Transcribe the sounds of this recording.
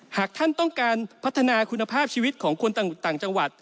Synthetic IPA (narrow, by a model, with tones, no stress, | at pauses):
haː˨˩k̚t̪ʰa˥˩nt̪ɔ˥˩ŋkaː˧npʰa˦˥t̪ʰːa˧naː˧kʰu˧nːa˧pʰaː˥˩p̚t͡ɕʰiː˧wi˦˥t̪̚kʰɔː˩˦ŋkʰo˧nt̪a˨˩ŋt̪aː˨˩ŋt͡ɕa˧ŋwa˨˩t̪̚